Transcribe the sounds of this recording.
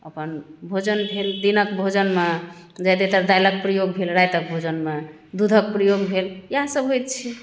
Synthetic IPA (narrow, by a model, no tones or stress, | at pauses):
əpənbʱod͡ʒənbʱeld̪inəkbʱod͡ʒənmed͡ʒajd̪et̪əɾd̪ajlək̚pɾəjoɡ̚bʱelɾajt̪ək̚bʱod͡ʒənme | d̪ud̪ʱək̚pɾəjoɡbʱeljɦasəbɦojt̪̚t͡ʃʰi